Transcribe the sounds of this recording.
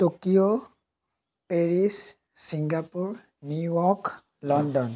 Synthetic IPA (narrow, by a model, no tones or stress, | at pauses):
tokio | peɹis | siŋɡapuɹ | nujɔk | lɔndɔn